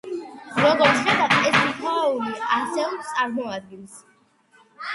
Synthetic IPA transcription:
ɾɔɡɔɾt̪sχɛb̪apʼɛsmt̪ʰaauɾiasɛlˠsʼaɾmɔad̪̚ɡilˠs

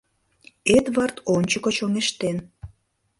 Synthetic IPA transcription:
et̪βɑrt̪onʲt͡ɕəkot͡ɕoŋeʃt̪en

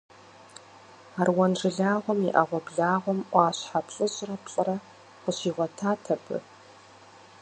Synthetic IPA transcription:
aːrwɔnʐɨɮaːʁʷɔmḭʔɐʁʷɔbɮaːʁʷɔmʔʷɑːɕħapʰɬʼɨɕʼrɐpɬʼɐɾɐ | qʷʊɕiːʁʷɔtʰaːtʰɐpʰɨ̰

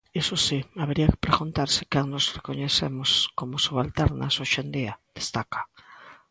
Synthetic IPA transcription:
esosiaβeɾiakɪ̥pɾeɣunt̪aɾsɪ̥kaŋnosrekoɲeθḛmoskomosuβalt̪eɾna̰soʃend̪iad̪̥est̪akḁ

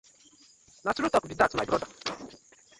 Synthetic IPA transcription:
natuɾutɔkbitatabɾɔda

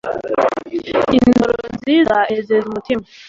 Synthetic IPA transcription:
indɾoziɾaʔezezmut̪ʰim

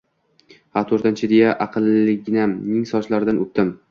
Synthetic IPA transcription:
hat̪ʰoɾt̪ɪnt͡ʃʰɪd̪ejaʔɑqʰɨlˠːɪɡʲnamnɪŋsɒt͡ʃlaɾɪd̪anɵp̚t̪ɪm

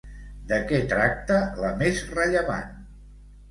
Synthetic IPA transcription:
d̪əkɛt̪ɾak̚t̪ələmezrəʎəβa̰n

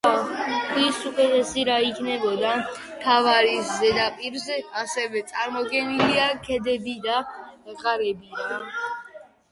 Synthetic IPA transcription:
atʰisukʼɛt̪ʼɛsiɾaikʰnɛbɔd̪a | t̪ʰavaɾiszɛd̪apʼiɾzɛasɛvɛt̪sʼaɾmɔɡɛniliakʰɛd̪ɛbid̪aɛqʼaɾɛbi

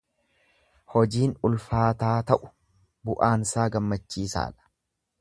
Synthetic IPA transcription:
hɔd͡ʒiːnʊlfaːt̪aːt̪ɐʔʊ̥ | bʊʔaːnsaːɡɐmːɐt͡ʃːiːsa̰ːᶑɐ̥

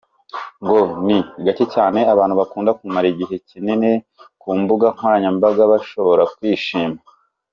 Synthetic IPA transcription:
ŋɡo̞niɡaticaːne̞aβaːnhuβakuːndakumaɾiɟiɦe̞cinine̞ | kuːmbuɡaŋ̥oɾaɲambaɡaβaʃo̞βo̞ɾakwiːʃiːma

